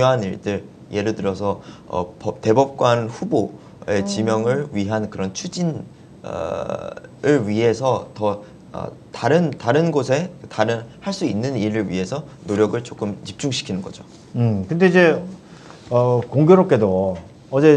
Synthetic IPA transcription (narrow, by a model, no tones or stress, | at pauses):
ŋjoɦaniɭdɯɾ | je̞ɾɯtɯɾʌsʰʌʌ̰pʌte̞bʌp̚k͈wanɸubo | e̞t͡ɕimjʌŋɯɭɥiɦankɯɾʌnt͡ɕʰud͡ʑin | ʌ̰ | ɯɭɥiɦe̞sʰʌtʌ | ʌ̰taɾɯntaɾɯnɡosʰe̞kɯtaɾɯnhaɭs͈uinːɯniɾɯɭɥḭɦe̞sʰʌnoɾjʌɡɯɭt͡ɕok͈ɯmt͡ɕip̚t͡ɕ͈uŋɕʰi̥kʰinɯnɡʌd͡ʑo | ɯkɯnde̞id͡ʑe̞ | ʌkoŋɡjoɾop̚k͈e̞do | ʌd͡ʑe̞